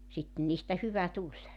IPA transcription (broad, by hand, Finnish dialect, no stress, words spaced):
sitːĕn niːstæ hyʋæ tulʲ